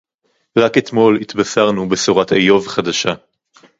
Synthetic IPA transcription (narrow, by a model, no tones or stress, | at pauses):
ʁaket̪mo̞lit̪basaʁnubesoʁatejo̞vχadaʃa